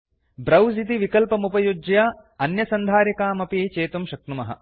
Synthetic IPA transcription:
bɾɐwzit̪iʋikɐlpɐmupɐjud͡ʒja | ɐnjɐsɐnd̪ʱaːɾjɐkaːmɐpiːt͡ʃeːt̪umʃɐk̚numɐɦɐ̰

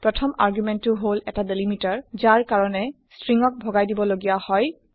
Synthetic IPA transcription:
pɹɔtʰɔma̰ɹɡjumɛntːʊɦolɛ̰tadelimitaɹzaɹkaɹɔnɛ | stɹiŋɔk̚bʱɔɡajdibɔloɡijahɔj

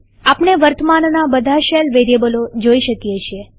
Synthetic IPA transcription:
apɳeʋəɾt̪ʰəmannabəd̪ʱaʃelʋeɾjebəlod͡ʒoiʃəkijet͡ʃʰije

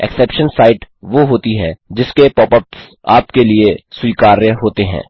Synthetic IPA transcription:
ɛ̰ksɛːpʃənsaːɪʈʋoɦoːt̪iɦɛ̃ːd͡ʒɪskepɔːpəps | a̰ːpkeliesuiːkaːɾeɦoːt̪eɦɛ̰̃ː

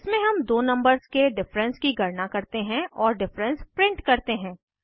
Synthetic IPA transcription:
ɪsmẽɦɐmd̪oːnɐ̃mbəɾzkeɖɪfɾə̃nskiɡʱɐɾnakɐɾt̪eɦɛ̃ʔɔːɾɖɪfɾə̃nspɾɪ̃ɳʈkɐɾt̪eɦɛ̃ː

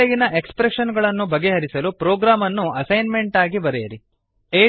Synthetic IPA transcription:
eɡinɐʔekspɾeʂɐnɡɐɭɐnːubɐɡːe̞ɦɐɾisɐlupɾoːɡɾaːmɐnːuʔɐsɐjnme̞ɳʈaːɡibɐɾeɐɾi | eː

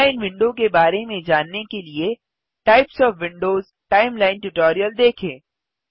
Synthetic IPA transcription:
aɪnʋɪ̃ɳɖokebaːɾemẽd͡ʒaːnːekelie | ʈaːɪpsɔːfʋɪ̃ɳɖoːz | ʈaːɪmlaːɪnʈʊʈɔːɾijəld̪eːkʰẽː

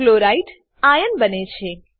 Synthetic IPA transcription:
loɾaiʈ | ajənbənet͡ʃʰe

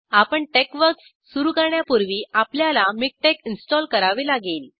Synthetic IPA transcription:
apəɳʈekʋəɾksːuɾuːkəɾɳjapuɾʋiːapljalamik̚ʈekinsʈɔlkəɾaʋelaɡiːl

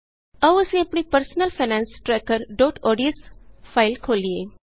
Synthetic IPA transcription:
ɐʋɐsĩɐpɳipəɾsnəlfʰanɛ̃ːnsʈɾɛːkəɾɖoːʈɔːɖijəsfʰaɪlkʰoːlieː

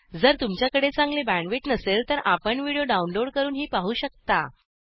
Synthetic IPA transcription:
d͡zəɾt̪umt͡ɕjakəɽet͡sãŋɡlebæ̃ɳʋiʈnəselt̪əɾʔapəɳʋiɽijoɖaunloɽkəɾuːnɦiːpaɦuːɕək̚t̪a̰

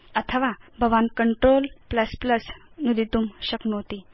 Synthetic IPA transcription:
ət̪ʰəʋabʱəʋankəɳʈɾolpləspləs | nud̪it̪uːmɕəknuɦot̪i

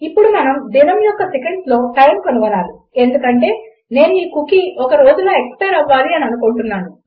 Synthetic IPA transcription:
ipːuɽumɐnɐmd̪inɐmjɔkːɐsekeɳɖslo̞ːpɐɾɐnkɐnuʋɐnaːɾu | e̞nd̪ukɐɳʈe̞ː | ne̞ːnuiːkukiɔkɐɾo̞ːd͡ʒuloːe̞kspɐjɾɐʋːaːliɐniɐnukoːɳʈunːaːnu

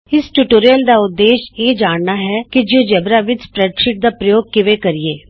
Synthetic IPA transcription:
ɪsʈuʈoːɾijəld̪aːʊd̪ːeːʃeːd͡ʒaːɳnaːɦɛːkɪd͡ʒõːd͡ʒɛbɾaːʋɪt͡ʃspɾɛːɖʃɪʈ̚d̪aːpɾəjoːɡ̚kɪʋeːkəɾieː

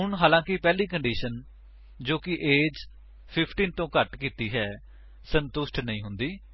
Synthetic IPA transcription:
ʊɳɦaːlãːkɪpɛːliːkəɳɖiːʃən | d͡ʒoːkɪʔeːd͡ʒ | pʰɪpʰʈiːnt̪õːkəʈkiːt̪iːɦɛː | sənt̪ʊsʈnəĩːɦʊnd̪iː

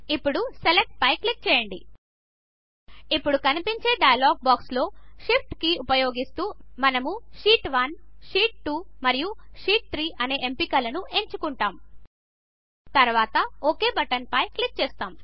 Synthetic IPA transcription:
ipːuɽuselek̚ʈ̚pɐjklik̚t͡ʃɛːjɐɳɖḭ | ipːuɽukɐnipiɲt͡ʃe̞ːɖɐjɐloːɡ̚baːkslo̞ːʂip̚ʰʈkiupɐjo̞ːɡist̪uːmɐnɐmuʂiːʈʋɐnʂiːʈ̚ʈuːmɐɾijuʂiːʈ̚t̪ʰɾiːʔɐne̞ːʔempikɐlɐnuʔe̞ɲt͡ʃukuɳʈaːm | t̪ɐɾʋaːt̪ɐoːke̞ːbɐʈɐnpɐjklik̚t͡ʃɛːst̪aːm

